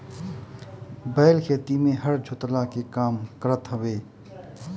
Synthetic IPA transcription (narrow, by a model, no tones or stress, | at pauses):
bɛːlkʰeːt̪imẽɦəɾd͡ʒʱʊt̪lakekaːmkəɾət̪ɦɐweː